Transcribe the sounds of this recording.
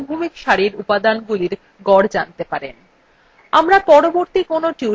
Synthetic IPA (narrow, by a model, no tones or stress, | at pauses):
bʱumikʃaɾiɾupad̪anɡuliɾ | ɡɔɾd͡ʑant̪epaɾen | amɾapɔɾoboɾt̪ikonoʈu